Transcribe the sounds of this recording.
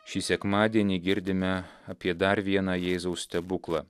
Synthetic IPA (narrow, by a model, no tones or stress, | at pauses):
ʃʲiːsʲɛkmɑːd̪ʲiɛnʲiːɡʲɪɾʲd̪ʲɪmʲɛɐpʲiɛd̪ɐɾʋʲiɛnɑːjɛːzɐʊsʲt̪ʲɛbʊklˠɑː